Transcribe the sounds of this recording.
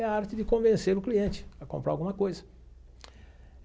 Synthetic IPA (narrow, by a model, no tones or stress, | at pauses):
ɛɐaɾt͡ʃɪd̪ɪkõvẽseɾʊkliẽnt͡ʃɪ̥ɐkõmpɾaɾawɡũmɐkojzɐ